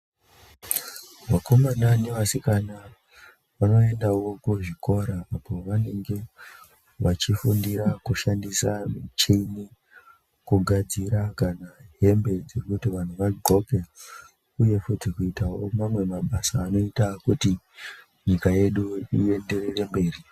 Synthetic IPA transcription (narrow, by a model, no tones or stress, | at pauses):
ʋako̞mananeʋasikana | ʋano̞e̞ndawokuʐiko̞ɾaapo̞ʋane̞ŋɡe̞ | ʋat͡ʃifundiɾakuʃandisamit͡ʃini | kuɡʱad͡ziɾakanaɦe̞mbe̞d͡zekutiʋan̤uʋaɡʱo̞ke | uje̞futikuitawo̞mamwe̞maɓasaːno̞itakuti | ɲikaje̞ɗuie̞nde̞rere̞mbe̞ːri